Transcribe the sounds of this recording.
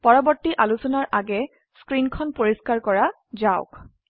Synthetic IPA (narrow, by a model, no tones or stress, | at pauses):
pɔɹɔbɔɹtːiʔalusɔnaɹʔaɡɛ | skɹinkʰɔnpoɹiskaɹkɔɹa | zaʊk